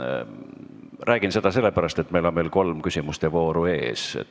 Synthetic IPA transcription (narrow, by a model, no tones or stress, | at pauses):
rʔæːɡ̥inse̞d̪̥ɑs̬e̞lːepæɾɑst̪e̞t̪ːˑmejlo̞nmejlko̞lmkysʲimust̪evo̞ːɾue̞̰ːsḛt̪